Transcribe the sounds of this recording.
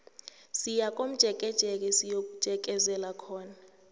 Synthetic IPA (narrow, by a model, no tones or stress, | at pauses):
sijak̬ʼom̩d̥ʒ̥ʱɛk̬ʼɛd̥ʒ̥ʱɛk̬ɛsijok̬ʼud̥ʒ̥ʱɛk̬ʼɛzɛlakʰɔːna